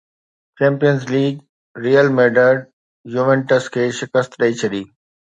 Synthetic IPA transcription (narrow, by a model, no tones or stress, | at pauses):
t͡ʃẽːmpijənzliːɡ | ɾiːəlmeːɖəɖ | juʋẽɳʈəskʰeːʃɪkəst̪ɾɐit͡ɕʰɐɗiː